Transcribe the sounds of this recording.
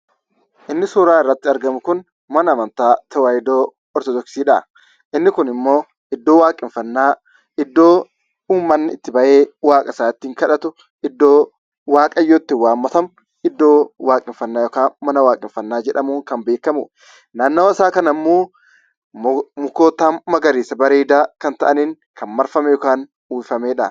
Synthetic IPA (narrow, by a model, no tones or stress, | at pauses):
ʔɪnːɪsʊːɾaːɪrːɐt̪ːɪɐɾɡɐmʊkʊn | mɐnɐːmɐnt̪aːt̪ʰɐwaːjɪd̪oː | ɔɾt̪ɔd̪ɔksiːᶑɐ | ʔɪnːɪkʊnɪmːo̞ː | ʔɪd̪ːoːwaːkʼɪɱfɐnːaː | ɪd̪ːo̞ː | uːmːɐnːɪɪt̪ːɪbɐʔeːwaːkʼɐsaːt̪ːiːŋkɐᶑɐt̪ʊ | ɪd̪ːoː | waːkʼɐjːoːt̪ːɪwaːmːɐt̪ɐm | ɪd̪ːo̞ːwaːkʼɪɱfɐnːaːjɔkaːnmɐnɐwaːkʼɪɱfɐnːaːd͡ʒɛᶑɐmuːŋkɐmbeːkːɐmʊ̰ | naːnːoːɐsaːkɐnɐmːoː | mʊkoːt̪aːmɐɡɐɾiːsɐbɐɾeːd̪aːkɐnt̪ɐʔɐniːŋ | kʰɐnmɐɾfɐmɛjɔkaːn | uːfɐmeːᶑɐ